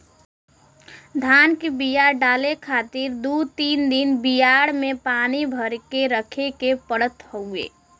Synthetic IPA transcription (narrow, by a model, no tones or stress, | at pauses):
d̪ʱankebijaɾɖaːlekʰat̪iɾd̪ut̪iːnd̪inbijaɽmepanibʱəɾkeɾəkʰekepəɽət̪ɦəuḛː